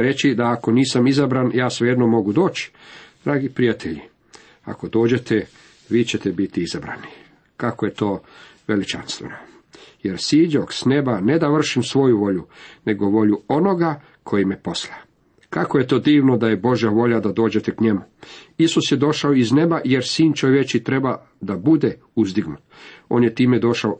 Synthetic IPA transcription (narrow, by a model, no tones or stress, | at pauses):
ɾe̞t͡ɕid̪aːkoniːsamizabɾanjaːsʋeje̞d̪nomːo̞ɡud̪o̞ːt͡ɕi̥d̪̥ɾaːɡipɾijat̪ʰeʎḭ | a̰ko̞d̪o̞ːd͡ʑe̞t̪ʰe | ʋiːt͡ɕe̞t̪ebit̪iizabɾa̰ni | kakoje̞t̪o̞ːʋe̞lit͡ʃa̰nst̪ʋḛno | je̞ɾsiːd͡ʑoksne̞bane̞d̪aʋr̩ʃimsʋo̞juʋo̞ʎune̞ɡoʋo̞ʎuo̞no̞ɡa | kʰo̞jimepo̞sla | kakoje̞t̪o̞ːd̪iːʋnod̪aje̞bo̞ʒjaʋo̞ʎad̪ad̪oːd͡ʑe̞t̪ekɲe̞muisusjed̪o̞ʃaoizne̞bajeɾsiːnt͡ʃoʋjet͡ʃit̪ɾe̞ba | d̪abud̪e | uzd̪iɡnut̪o̞ːnjet̪iːmed̪o̞ʃao